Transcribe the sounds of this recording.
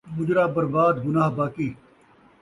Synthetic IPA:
mʊd͡ʒɾaːbɐɾbaːd̪ɡʊnaːɦbaːkiː

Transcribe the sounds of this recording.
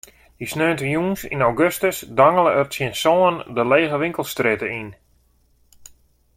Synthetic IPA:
disnøːntəjunsḭnawɡøstəsdaŋəlˠəərtsjənsɔːəndəleːɣəʋɪŋkəlˠstrɪtəin

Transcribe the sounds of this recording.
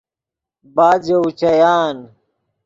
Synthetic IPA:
baːd͡ʑeut͡ɕɐjaːn

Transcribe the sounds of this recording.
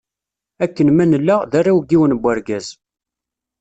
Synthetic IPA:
ækːənmænəlːaðarːawɡiwənbːæɾɡæz

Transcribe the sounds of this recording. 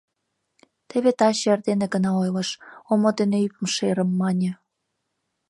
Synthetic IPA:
t̪eβet̪ɑɕerd̪eneɡənɑojlə̆ʃomod̪eneypə̆mʃeɾə̆mːɑnʲə̆

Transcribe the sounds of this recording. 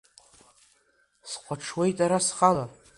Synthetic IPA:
sqʷaʈ͡ʂʰwejtʼaɾasχala

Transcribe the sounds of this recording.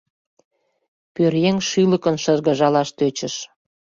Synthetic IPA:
pørjeŋʃyləkə̆nʃə̆ʒɣəʒɑlɑʃt̪øt͡ɕə̆ʃ

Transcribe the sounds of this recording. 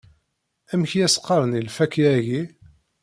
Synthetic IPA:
æmçjæsqːɑɾˤənilfækiæʝi

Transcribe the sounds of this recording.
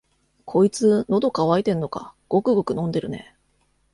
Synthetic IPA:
kʰo̞it͡sɨno̞d̪o̞kaβait̪ẽ̞nːo̞ka̰ɡ̥o̞kɯ̟ɡo̞kɯ̟nõ̞nd̪e̞ɾɯ̟ne̞̰

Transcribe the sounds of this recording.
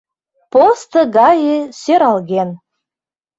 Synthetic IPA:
post̪ɤ̆ɡɑjesøɾɑlɣʲen

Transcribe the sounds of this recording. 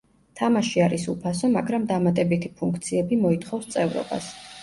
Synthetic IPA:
t̪ʰamaʃiaɾisupʰasɔmaɡɾamd̪amat̪ʼɛbit̪ʰipʰuŋkʰt̪sʰiɛbimɔit̪χɔfst̪sʼɛvɾɔ̰ba̰s

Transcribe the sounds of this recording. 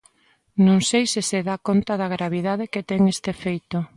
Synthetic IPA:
nõŋsejsɪseðakont̪ɐðɐɣɾaβiðað̞eket̪ɛŋest̪efejt̪o

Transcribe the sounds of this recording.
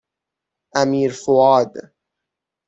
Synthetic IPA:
ʔæmiːɾfoɑːd̪

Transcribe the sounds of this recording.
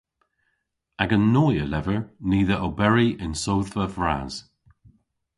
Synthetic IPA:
aɡənːoːjəlɛvəɹniːðəʔobɛɹiɪnsowθvəvɹa̰z̥

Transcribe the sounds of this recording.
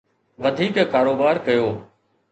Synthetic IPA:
ʋɐd̪ʱiːkkaːɾoːbaːɾkɐjoː

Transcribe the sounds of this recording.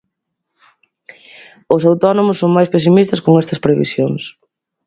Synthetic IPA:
ʊsawt̪ɔnomʊsːoŋmajspes̬imist̪ɐskoŋɛst̪ɐspɾeβḭsjoŋs

